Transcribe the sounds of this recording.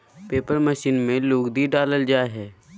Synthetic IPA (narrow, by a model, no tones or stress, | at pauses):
peːpəɾməʃiːnmẽluːɡd̪iɖaːləld͡ʒaːeɦɛː